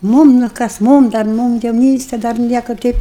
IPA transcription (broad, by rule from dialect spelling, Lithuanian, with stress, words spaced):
ˈmuːm nʊ ˈkɐs ˈmuːm dɐr ˈmuːm jɛʊˈnʲiːsʲtʲɛ dɐr ˈnʲiɛkɐ ˈtʲɛɪp